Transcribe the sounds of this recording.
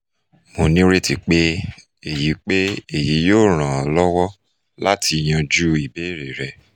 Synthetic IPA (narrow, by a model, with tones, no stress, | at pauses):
mo˨nĩ˦ɾe˦ti˨k͡pe˦ | e˨ji˨˦k͡pe˦e˦˨ji˨˦joː˦˨ɾ̃ã˨ɔ˧lɔ˦wɔ˦ | la˦tʰi˧j̃ã˧d͡ʒu˦i˨be˦˨ɾe˨ɾɛ˨